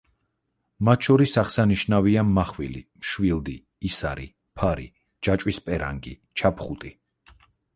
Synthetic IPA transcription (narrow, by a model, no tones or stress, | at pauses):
mat̪ʰʃɔɾisaχsaniʃnaviamːaχvilḭmʃwild̪iː | saɾḭ | pʰaɾḭ | d͡ʒat͡ʃʼwispʼɛɾa̰ŋɡḭ | t͡ʃʰapχut̪ʼi